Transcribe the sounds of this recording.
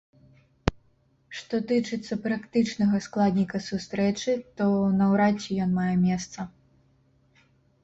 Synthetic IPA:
ʂt̪ɔt̪ɨt͡ʂɨt̪sːɐpɾɐkt̪ɨt͡ʂnɐɣɐsklˠad̪ʲnʲikɐsust̪ɾɛt͡ʂɨt̪ɔwnɐwɾatt͡sʲːijɔnmajɛmʲɛst̪sɐ

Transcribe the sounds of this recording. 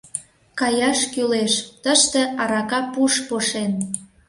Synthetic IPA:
kɑjɑʃkyleʃt̪əʃt̪ĕɑɾɑkɑpuʃpoʃen

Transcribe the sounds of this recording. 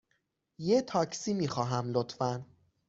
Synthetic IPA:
jet̪ʰɒːcʰsiːmiːxɒːɦæmlot̪fæn

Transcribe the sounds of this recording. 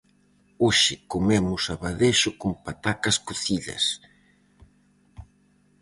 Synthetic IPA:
oʃɪkomemʊsaβaðeʃʊkʊmpat̪akɐskoθiʎɐ̰s

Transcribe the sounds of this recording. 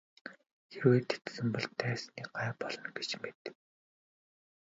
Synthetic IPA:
xeɾoit̪e̥t̪sɘ̆mpɔɮt̪ʰːæːsniːɢaːpɔɮɞ̆nɡe̥t͡ɕmet̪

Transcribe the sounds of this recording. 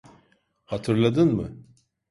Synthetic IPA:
hat̪ʰɯɾlˠad̪ɯnmɯ̰

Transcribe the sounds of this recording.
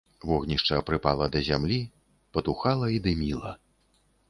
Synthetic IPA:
vɔɣnʲiʂt͡ʂɐːpɾɨpalˠɐd̪ɐzʲamlʲi | pɐt̪uxalˠɐid̪ɨmʲilˠɐ

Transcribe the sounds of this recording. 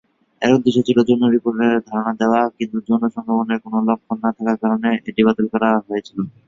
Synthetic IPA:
ɛ̰ɾod̪iʃot͡ɕʰiʈod͡ʑonːoɾipoɾʈeɾd̪ʱaɾonad̪eoakint̪ud͡ʑonoʃɔŋkʰɾoboneɾkonolɔk̚ʰːonːat̪ʰakaɾkaɾoneeʈiβat̪olkɔɾaɦojet͡ɕʰilo

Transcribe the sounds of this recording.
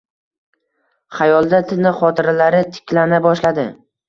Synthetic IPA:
χajɒlˠd̪at̪ʰɪnɪχɒt̪ʰɪɾalaɾɪt̪ʰɪ̥kʲlanabɒʃlad̪ɪ

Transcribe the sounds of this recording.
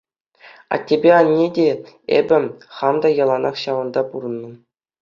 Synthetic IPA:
ɑ̰tʲːebʲeɑnʲːedʲeḛbʲɘ̆χɑmd̪ɑjɑlˠɑnɑχɕɑʋɤ̆nd̪ɑpuɾɤ̆nːɤ̆

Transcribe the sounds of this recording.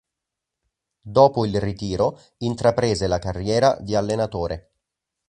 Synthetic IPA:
d̪oːpoilrit̪iːɾo | int̪ɾapɾeːzelakarːjɛːɾad̪ialːenat̪oːɾe

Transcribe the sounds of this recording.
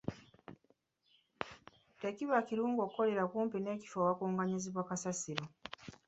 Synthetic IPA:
teciβakiɾuːŋɡoːkuko̞le̞ɾakuːmpine̞ːci̥fowakuːŋɡaɲiziβwakasasiɾo

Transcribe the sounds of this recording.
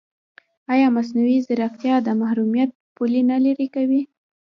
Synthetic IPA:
ɑjɑmas̬nawizəɾaft̪jɑd̪əmahɾumijat̪̚pulinalaɾikawi

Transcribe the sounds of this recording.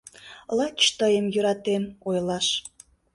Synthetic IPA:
lˠɑt͡ɕt̪əjəmjøɾɑt̪emojlɑʃ

